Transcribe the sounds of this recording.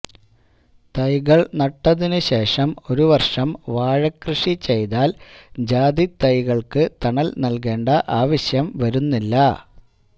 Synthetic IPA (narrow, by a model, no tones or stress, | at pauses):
t̪ɐjɣɐɭnɐʈːɐðinɨɕe̞ːʂɐmo̞ɾuʋɐrʂɐmʋaːɻɐkrɨʂit͡ɕe̞jt̪aːld͡ʑaːd̪it̪ɐjɣɐɭkɨt̪ɐɳɐlnɐlke̞ːɳɖɐʔaːʋɐɕjɐmʋɐɾunːilːɐ